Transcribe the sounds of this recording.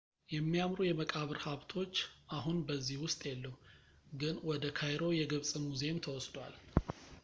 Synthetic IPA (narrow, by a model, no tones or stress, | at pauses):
jɛmːijamɾujɛməkʼaβɨɾhaβt̪ʰo̞t͡ʃːʔaɦunbəzːihwʊst̪ʼjɛlːəw | ɡɨnwɔd̪əkʰajɾo̞jɛɡəβsʼɨmuzemt̪ʰəwɔsd̪wal